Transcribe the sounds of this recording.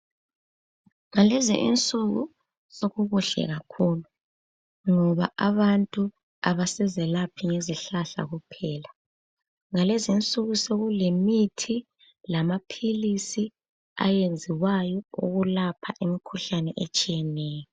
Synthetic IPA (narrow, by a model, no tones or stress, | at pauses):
ŋalɛzḭʔḭnt͡sʼuɣṵ | soɣuɣuɬɛ̰ɣakʰuːlu | ŋɔβaaβantʼu | aβasɛzɛlapʰiŋeziɬaɬa̰ɣupʰɛːla | ŋalɛzint͡sʼuɣuseɣulemitʰi | lamapʰilisi | a̰jend͡zʱiwajɔṵɣulapʰaʔimikʰuɬanɛʔet͡ʃʼijɛnɛːjɔ